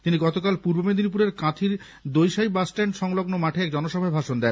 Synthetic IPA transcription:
t̪iniɡɔt̪okalpuɾbomed̪inip̬uɾeɾkat̪ʰiɾ | d̪ojʃajbasʈeɳɖʃɔŋloɡnomaʈʰeɛk̚d͡ʑɔnoʃɔbʱaebʱaʃond̪ɛn

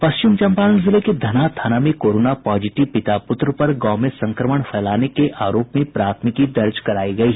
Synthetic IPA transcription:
pɐʃt͡ʃɪmt͡ʃɐ̃mpaːnəlzɪleked̪ʱɐnat̪ʰaːnamẽkoːɾoːnapɔːd͡ʒɪʈɪʋpɪt̪apʊt̪ɾpɐɾɡɔːmẽsɐ̃ŋkɾəməɳ̃fʰɛːlaːnekeʔaːɾoːpmẽpɾaːt̪ʰmɪkid̪ɐɾd͡ʒkɐɾaːiɡɐiː

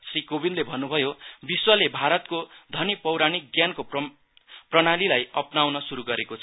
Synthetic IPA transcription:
srikobinlebʱʌnːubʱʌjobiswʌlebʱaɾʌt̪kod̪ʱʌnipʌwɾanik̚ɡjanko | prʌñalilajʌpnawnʌsuɾuɡʌɾekot͡sʰʌ

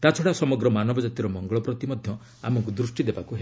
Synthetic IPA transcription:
t̪at͡ʃʰɔɽasɔmɔɡɾɔmanɔbɔd͡ʒat̪iɾɔmɔŋɡɔɭɔpɾɔt̪imɔd̪ʱjɔ | a̰mɔŋk̬ud̪ɾusʈid̪ebakuɦe

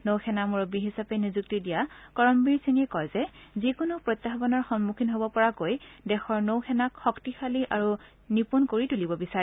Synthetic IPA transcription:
nowxɛnamuɹbiɦisapɛnizuk̚tidijakɔɹɔmbiɹseniɛkɔjzɛzikʊnupɹojt̪ːaɦbɔnɔɹxɔnmukʰinɦobɔpɔɹakojdɛxɔɹnowxʰɛnakxɔktixaliʔaɹu | nipunkoɹitulibɔbisaɹɛ

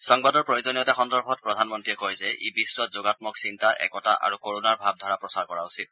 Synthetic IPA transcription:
sɔŋbadɔɹpɹojozɔnijɔtɛxɔndɔɹbʱɔt̚pɹɔdʱanmɔntɹiɛkojzɛʔḭbisːɔtzoɡatmɔksintaʔɛ̰kɔta̰ʔa̰ɹukoɹunaɹbʱab̚dʱaɹapɹɔsaɹkɔɹausit̚

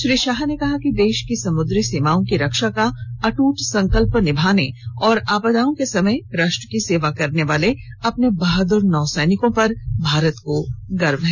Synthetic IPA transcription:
ʃɾiːʃaːɦnekɐɦakid̪eːʃkisɐmʊd̪ɾiseːmaːõkiɾɐkʃakaɐʈuːʈsɐ̃ŋkəlpnɪbʱaːneɔːɾaːpəd̪aːõkesɐməjɾaːʃʈəkiseːʋakɐɾneʋaːle | ɐpnebaɦd̪ʊɾnɔːsɛːnɪkõpɐɾbʱaːɾət̪koɡɐɾmɦɛː

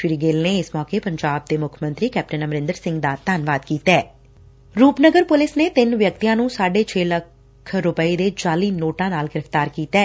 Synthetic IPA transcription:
ʃɪɾiːɡeːlneːɪsmɔːkeːpəɲd͡ʒaːb̚d̪eːmʊkʰmə̃nt̪ɾiːkɛːp̚ʈənəmɾɪ̃nd̪əɾsɪ̃ŋɡd̪aːt̪aːnʋaːd̪kiːt̪ɛː | ɾuːpnəɡəɾpʊlɪsneːt̪ɪnʋjək̚t̪ijãːnũːsaːɖeːt͡ʃʰeːləkʰ | ɾʊpəiːd̪eːt͡ʃaːliːnoːʈãːnaːlɡɪɾəft̪aːɾkiːt̪ɛː

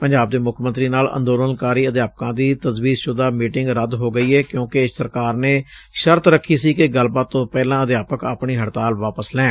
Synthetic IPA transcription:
pəɲd͡ʒaːb̚d̪eːmʊkʰmənt̪ɾiːnaːlə̰̃nd̪oːlənkaːɾiːəd̪jaːp̚kãːd̪iːt̪əzʋiːɾʃʊd̪aːmiːʈɪŋɡɾəd̪ɦoːɡəiːɛːkjõːkesəɾkaːɾneː | ʃəɾt̪ɾəkʰːiːsiːkɪɡəlbaːt̪ːõːpɛːlãːəd̪jaːpəka̰ːpɳiːɦəɽt̪aːlʋaːpəslɛ̃ː

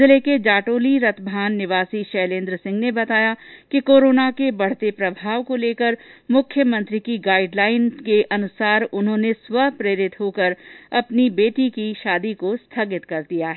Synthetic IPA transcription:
ɪleked͡ʒaːʈoːliɾɐt̪ʰbʱaːnːɪʋaːsiʃɛːlẽːnd̪ɾəsɪ̃ŋɡnebɐt̪aːjakikoːɾoːnakebɐɽ̤t̪epɾɐbʱaːʋkoleːkəɾmʊkʰjəmɐ̃nt̪ɾikiɡaːɪɖlaːɪnkeʔɐnʊsaːɾʊnɦõːnesʋɐpɾeːɾɪt̪ɦoːkəɾɐpnibeːʈikiʃaːd̪ikost̪ʰaːɡɪt̪kɐɾd̪ijaɦɛ

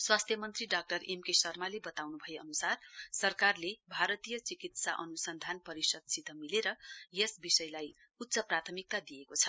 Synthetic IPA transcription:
swast̪ʰjʌmʌnt̪riɖak̚ʈʌremkesʌrmalebʌt̪awnubʱʌjeʌnusarsʌrkarlebʱaɾʌt̪ijʌt͡sikit̪saʔʌnusʌnd̪ʱanpʌɾisʌd̪̚sit̪ʌmileɾʌjesbisʌjlaj | ut̪ːsʌprat̪ʰʌmik̚t̪ad̪ijekot͡sʰʌ

